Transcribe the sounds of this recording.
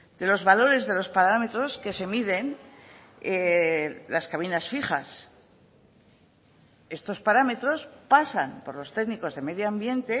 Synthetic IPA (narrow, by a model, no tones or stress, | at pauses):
d̪̥e̞lo̞zβalo̞ɾe̞zðe̞lo̞spaɾame̞t̪ɾo̞ske̞se̞miðe̞n | e | laskaβ̞inasfiχa̰s | e̞st̪o̞spaɾame̞t̪ɾo̞spasanpo̞ɾlo̞st̪e̞ɣniko̞zðe̞me̞ðjoambje̞nt̪e̞